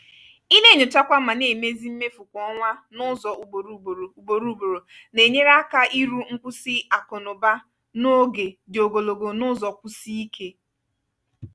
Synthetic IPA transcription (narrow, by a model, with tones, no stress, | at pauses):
i˦ne˦˨ɲʊ˨ta˦kʷa˦ma˨ne˨me˦zi˦m̩˦me˦fu˨kʷɔ˦ŋʷa˦nʊ˦zɔ˨u˨o˨ɾu˦˨ɾu˨bo˨ɾu˦bo˨ɾo˨ | ne˨ɲe˦ɾa˦ka˦ʔi˦ɾu˦ŋ̩˦kʷu˦si˦a˨kɔ˨nʊ˨ba˦ | no˦ɡe˨dɪ˨o˨ɡo˨lo˨ɡo˨nʊ˦zɔ˨kʷʊ˦si˦i˦kʰe˦